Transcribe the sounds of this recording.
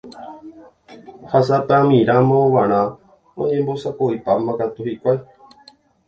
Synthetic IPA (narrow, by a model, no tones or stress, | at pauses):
has̬at̪amĩɾamãõʋãɾ̃ã | õ̰ɲẽmbosakoipamãkat̪uhikʷae